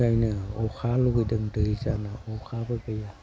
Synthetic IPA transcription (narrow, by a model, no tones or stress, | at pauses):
ajnɯɔxʰaluɡɯjdɯŋdɯjzanaɔkʰabɯbɯja